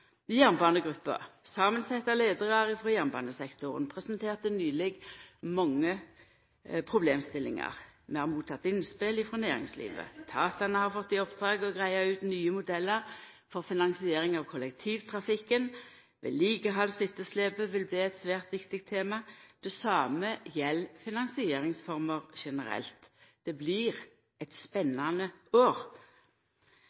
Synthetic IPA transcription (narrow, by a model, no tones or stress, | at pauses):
jæʁnbɑːnəɡʁʉpːə̰ʁsɑːmənsɛt̪ːɑleːd̪əʁɑʁəfʁɔjæːʁnbɑ̰ːnəsɛkt̪ʊʁə̰npʰʁɛsənt̪ʰeːʁt̪ənyːlɪɡmɑŋːə | pʰʁʊbleːmst̪ɪlɪ̰ŋɑ̰ʁmɛhɑʁmuːt̪ʰːɑt̪ːɪnspɪlɪfʁɑnæːʁɪ̰ŋslḭːʋə̰t̪ʰɑːt̪ɑnəhɑʁfɔt̪ːɪɔpd̪̥ʁɑːɡɔɡʁæɪɑʉːt̪nyːəmʊd̪ɛlːəʁ | fɔʁfɪnɑŋsɪeːɾɪŋɑʋkʰɔlɛk̚t̪ʰiːʋt̪ʰʁɑfɪkːən | ʋɛ̰ːliːɡəɦɑlsɪt̪ːəsleːbəʋɪlbliːɛt̪sʋæːʁt̪ʋɪkt̪ɪk̚t̪ʰeːmɑd̪̥ɛsɑːməjɛlːfɪnɑŋsɪeːɾɪŋsfɔʁməʁʃɛnəɾɛ̰lt̪d̪̥ɛbliːʁ | ɛt̪spɛnːɑnəoːʁ